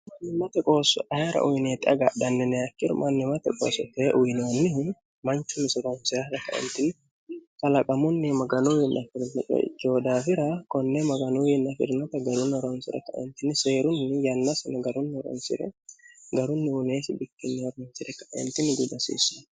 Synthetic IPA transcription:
mɐnːɪmɐt̪ɛkʼo̞ːsɔʔɐhɐɾɐ̰ʔʊjneːt̪ɪʔɐɡɐd̪ɐnːɛnɛjɐkːɪɾʊ̰mʔɐnːɪmɐt̪ɛkʼo̰ːsɔt̪ɛʔʊjnoːnːɪ | mɐnt͡ʃːʊnːɪsɪɾonsɪɾɐɾɐkɐʔɛ̰nt̪ɪnɪ | kʼɐlɐkʼɐmʊnːɪmɐɡɐnujɪnʔɐfɪɾnɛt͡ʃʼɛ̰t͡ʃːoːd̪aːfɪɾɐkɔnːɛmɐɡɐnuːjɪnːɐfɪ̰ɾnɔt̪ɐɡɐɾʊnːɔɾɔnsɪɾɐ̰kɐʔɛ̰nt̪ɪnːɪse̞ːɾʊnːɪjɐnːɐsɐnɐɡɐɾʊnːɪɔɾɔ̰nsɪ̰ɾɛ̰ɡɐɾʊnːɪʊneːsɪbɪkːɪnːɪɔɾonsɪɾɛkɐʔɛ̰nt̪ɪnɪɡʊd̪ɐsḭːsːʊ

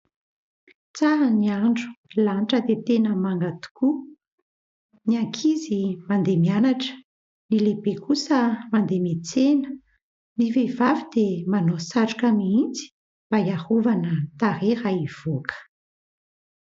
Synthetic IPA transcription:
t͡saɾəniaɳɖ͡ʐu̥lanʈ͡ʂəd̪et̪enəmaŋɡat̪u̥ku | niaŋkʰizimand̪emianaʈ͡ʂə̥ | nilebekʰusəmand̪emet͡senə̥ | nivev̥avid̪emanosaʈ͡ʂu̥kamiint͡si̥ | b̥ajahovanət̪aɾeɾaiv̥okʰə̥

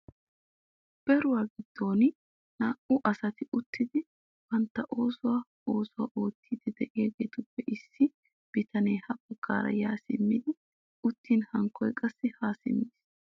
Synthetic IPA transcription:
b̥ɛɾʊwaːɡɪd̪̥ːo̞ːn | naːʔʊʔɐsɐt̪ɪʊt̪ːɪd̪ɪ | b̥ɐnt̪ːɐʔo̞ːsʊwaː | oːsʊwaʔoːt̪ʰːiːd̪ɪd̪ɛʔɪjaɡeːt̪ʊpːɛʔɪsːɪ | b̥ɪt̪ɐneːhɐbɐɡːa̰ːɾɐ̰jaːsɪ̰mːɪd̪ɪ | ʊt̪ːiːnhɐŋkːɔjkʼɐsːɪhaːsɪ̰mːiːs

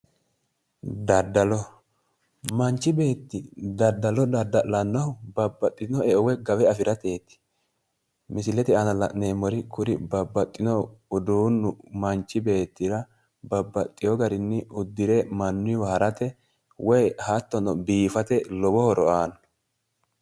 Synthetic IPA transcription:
d̪ɐd̪ːɐlɔ | mɐnt͡ʃːɪbe̞ːt̪ːɪd̪ɐd̪ːɐlɔd̪ɐd̪ɐʔlɐnːɐʊbɐbːɐt̪ʼːɪnɔɛʔɔwɛɡɐwɛɐfɪɾɐt̪e̞ːt̪ːɪ̥ | mɪsɪlɛt̪ɪɐnɐlɐ̰ʔneːmɔɾɪkʊɾɪbɐbːɐt̪ʼːɪnɔʊd̪uːnːʊmɐnt͡ʃːɪbe̞ːt̪ːɪɾɐ | bɐbːɐt̪ʼːɪjɔɡɐɾɪnːɪʊd̪ːɪɾɛmɐnːʊwɐhɐɾɐt̪ɛ | wʔɔjhat̪ːɔnɔbiːfɐt̪ɛlɔbɔhɔɾɔʔaːnɔ

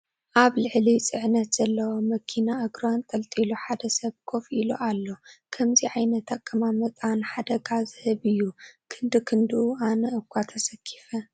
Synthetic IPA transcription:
ʔaβlɨʕlit͡sʼɨʕnɐt̪z̥ɐlːɐwomɐkʰinaʔɐɡɾant̪ʼɐlt̪ʼiluħad̪ɐsɐβkʰo̞filo̰ʔalːo̞kʰɐmziʕajnɐt̪ʰakʰʼːɐmamɐt̪ʼanħad̪ɐɡazɨhɨβɨjːukʰɨnd̪ɨkʰɨnd̪ɨʔuanɐʔɨkʰʷwat̪ʰɐsɐkʰːi̥fɐ

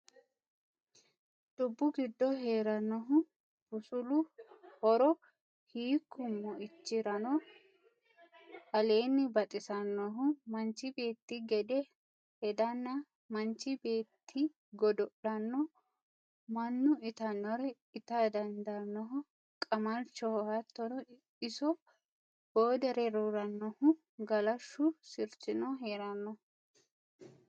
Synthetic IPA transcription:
d̪̥ʊbːʊɡɪd̪ːɔɦe̞ːɾɐnːɔɦʊ | b̥ʊsʊlʊhɔɾɔ | hiːkːʊmːɔɪt͡ʃːɪɾɐnɔ | ɐle̞ːnːɪbɐt̪ʼɪsɐnːɔɦʊmɐnt͡ʃɪbe̞ːt̪ːɪɡɛd̪ɛ | hɛd̪ɐnːɐ | mɐnt͡ʃːɪbe̞ːt̪ʰːi | ɡɔd̪ɔɗɐnːɔ | mɐnːʊɪt̪ɐnːɔɾɛ | ɪt̪ad̪ɐnd̪ɐnːɔɦʊ | kʼɐmɐlt͡ʃːɔhɔhɐt̪ːɔɾɔ | ɪsɔ | b̥oːd̪ɛɾɛɾuːɾɐnːɔhʊ | ɡɐlɐʃːʊsɪɾt͡ʃɪnɔɦeːɾɐnːɔ

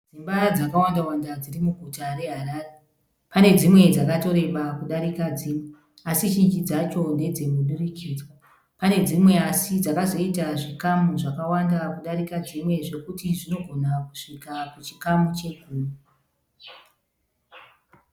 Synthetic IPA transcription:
d͡zimbad͡zakawandawandad͡zirimuɡʱutaɾe̞ɦaɾaːre | pane̞d͡zimwe̞d͡zakato̞ɾe̞ʋakuɗaɾikad͡ziːmwe | asiʒind͡ʒid͡zat͡ʃo̞ne̞d͡ze̞muɗurikʰiːd͡za | pane̞d͡zimwe̞asid͡zakazo̞itaʐikamuʐakawandakuɗaɾikad͡zimwe̞ʐe̞kutiʐino̞ɡʱo̞naku̥ʂikakut͡ʃi̥kamut͡ʃe̞kuːnu

